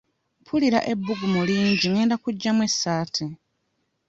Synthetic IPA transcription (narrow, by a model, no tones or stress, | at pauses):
pʰuliɾaʔe̞bːuɡumuliːɲɟiŋe̞ːndakuɟːamwe̞sːaːtʰe